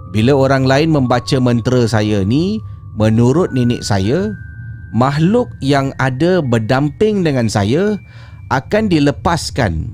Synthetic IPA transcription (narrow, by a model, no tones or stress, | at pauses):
bilaoɾaŋlaɪnmə̃mbat͡ʃamənt̪ɾəsajani | mə̃nuɾʊt̪̚ninɪ̰ʔ̚sa̰ja | maɦlʊk̚jaŋadabərdampɪŋdəŋansa̰ja | ʔakandiləpaska̰n